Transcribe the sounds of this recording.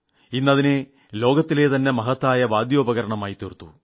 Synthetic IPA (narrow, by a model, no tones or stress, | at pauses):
inːɐðine | lo̞ːɡɐt̪ːile̞ːt̪ɐnːe̞mɐɦɐt̪ːaːjɐʋaːd̪joːbɐɣɐɾɐɳɐmaːjit̪irt̪ːṵ